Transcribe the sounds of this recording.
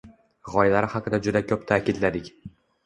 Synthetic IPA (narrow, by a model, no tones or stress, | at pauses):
ʁɒjlaɾɪhɑqɨd̪ad͡ʒʊd̪akʲʰɵp̚t̪ʰaːkʰʲɪd̪lad̪ɪkʲ